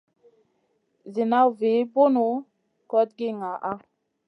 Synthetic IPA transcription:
zi˨na˦wvi˨˦bo˦nu˨˦ | kɔ˦t̚ɡi˦ŋa˨ʔa˦

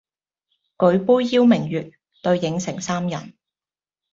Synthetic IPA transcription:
kɵ˨˧˥ɥpuː˥jːiː˥wmɪ˨˩ŋjyː˨t̚ | t̪ɵ˧ɥjɪ˨˧˥ŋsɪ˨˩ŋsaː˥mjɐ˨˩n

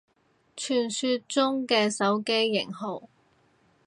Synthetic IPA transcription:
t͡ʃʰyː˨˩nsyː˧t̚t͡sʊ˥ŋkɛː˧sɐ˨˥wke˥jːɪ˨˩ŋɦo˨˩w

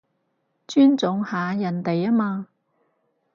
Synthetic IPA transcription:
t͡ʃyː˥nt͡sʊ˨˧ŋhaː˨˧jɐ˨˩nt̪e˨jaː˥maː˧

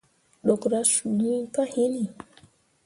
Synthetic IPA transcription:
ɗɔ˨kɾa˦ʃu˨ni˦ka˦hi˦ni˨

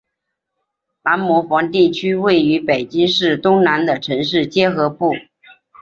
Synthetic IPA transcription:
la˧˥nmɔ˧˥fɑ˧˥ŋt̪i˥˩t͡ɕʰy˥we˥˩ɪy˧˥pe˨˩ɪt͡ɕi˥ŋʂɻ̩˥˩t̪ʊ˥ŋna˧˥nd̪ə˨ʈ͡ʂʰɤ˧˥ŋʂɻ̩˥˩t͡ɕjɛ˥xɤ˧˥pu˥˩

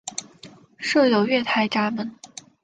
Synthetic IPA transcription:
ʂɤ˥˩jo˨˩ʊɥɛ˥˩t̪ʰa˧˥ɪʈ͡ʂa˧˥mə˧˥n

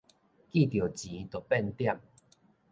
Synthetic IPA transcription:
ki˥˧˨t̪jo˨˩t͡ɕi˨˦t̪o˨˩pɛ˥˧nt̪ja˥˧˨m

